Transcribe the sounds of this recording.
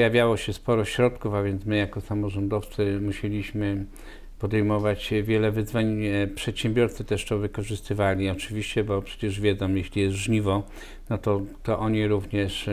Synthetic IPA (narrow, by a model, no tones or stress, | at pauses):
pjavʲjawɔɕɛspɔɾɔɕɾɔt̪kufavʲjɛnt̪smɘjakɔsamɔʐɔnd̪ɔft̪sɘmuɕelʲiɕmɘ | pɔd̪ɛjmɔvat͡ɕvʲjɛlɛvɘzvaɲpʂɛt̪ɕɛmbʲjɔɾt̪sɘt̪ɛʂt̪ɔvɘkɔʐɘst̪ɘvalʲiɔt͡ʂɘvʲiɕt͡ɕɛbɔpʂɛ̥t͡ɕɛʐvʲjɛd̪zɔ̃mjeɕlʲijɛst̪ʐɲivɔ | nɔt̪ɔt̪ɔʔɔɲiɾuvɲɛʂ